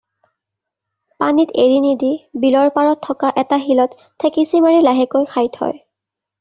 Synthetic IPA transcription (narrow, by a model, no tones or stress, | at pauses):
paniteɹinidibilɔɹpaɹɔtʰːɔkaʔɛtaɦilɔtʰːekisimaɹilaɦɛkojxʰajtʰhɔ̰j